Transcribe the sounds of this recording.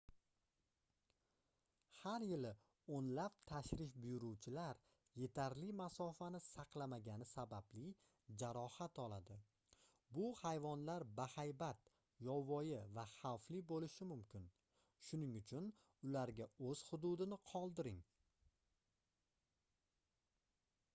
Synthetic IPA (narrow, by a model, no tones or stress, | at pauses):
haɾjɪlɪ | onlap̚t̪ʰaʃɾɪfbʊjʊɾuwt͡ʃʰɪlaɾ | je̞t̪ʰaɾlɪmasɒfanɪsɑqlˠamaɡʲanɪsabablɪ | d͡ʒaɾɒhat̪ɒlˠad̪ɪ | bʊhajvɒnlaɾbahajbat̪ | jɒwːɒjɪvaχawflɪbolɪʃɪmʊmkʲʰɪn | ʃʊnɪŋʊt͡ʃʰʊn | ʊlaɾɡʲaɵz̥hʊd̪ud̪ɪnɪqʰɒlˠd̪ɪɾɪŋ